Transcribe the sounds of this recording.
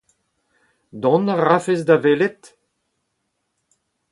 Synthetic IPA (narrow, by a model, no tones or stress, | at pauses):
d̪ɔ̃naʁafezdavelet̪